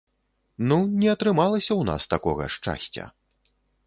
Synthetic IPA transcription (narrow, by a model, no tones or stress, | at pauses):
nunʲɛɐt̪ɾɨmalˠɐsʲɐwna̰st̪akɔɣɐ̰ʂt͡ʂa̰sʲt͡sʲɐ̰